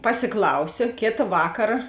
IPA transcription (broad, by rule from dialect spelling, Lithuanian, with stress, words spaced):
pɐsʲɪˈklˠɐʊsʲoː ˈkʲeːtɐ ˈʋɑːkɐrɐ